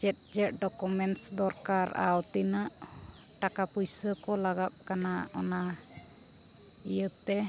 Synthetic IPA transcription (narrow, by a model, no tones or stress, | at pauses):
t͡ʃɛt̪̚d͡ʒɛʔ̚ɖɔkumɛnʈsd̪ɔɾkaɾa̰wt̪inaʔ | ʈakapujsəkɔlaɡap̚kanaɔ̰na | ijəp̚t̪ɛ